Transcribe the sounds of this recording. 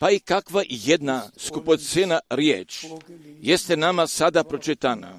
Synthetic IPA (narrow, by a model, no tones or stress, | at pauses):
paikakʋaʔijed̪naskuposenaɾjḛːt͡ʃjest̪enamasad̪apɾot͡ʃit̪ana̰